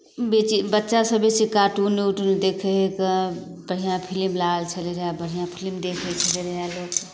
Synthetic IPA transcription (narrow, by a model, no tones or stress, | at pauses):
bet͡ʃibətːʃasəbet͡ʃikaʈunːeuʈned̪ekʰeɦekə | bəɽ̤ijãpʰilmlaːlt͡ʃʰəleɾəɦabəɽ̤ijãpʰilmd̪ekʰet͡ʃʰəleɾəɦaloːk